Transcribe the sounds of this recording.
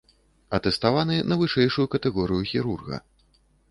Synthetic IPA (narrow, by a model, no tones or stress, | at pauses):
ɐt̪ɛst̪avanɨnɐvɨʂɛjʂujukɐt̪ɛɣɔɾɨjuxʲiɾurɣɐ̰